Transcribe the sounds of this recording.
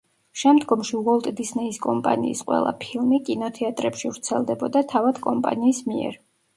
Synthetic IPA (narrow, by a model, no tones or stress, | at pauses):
ʃɛmd̪ɡɔmʃiwɔlˠt̪ʼd̪isnɛiskʼɔmpʼa̰nḭːsqʼwɛ̰lˠa̰pʰilˠmikʼinɔt̪ʰɛat̪ʼɾɛpʃivɾt̪sʰɛlˠd̪ɛbɔd̪at̪ʰavad̪̥kʼɔmpʼa̰niːsmiɛ̰ɾ